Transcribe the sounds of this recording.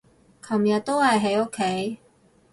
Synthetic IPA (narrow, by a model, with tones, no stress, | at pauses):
kʰɐ˨˩mjɐ˨t̚t̪o˥whɐ˨jɦe˨˥jo˥kʰːe˨˥j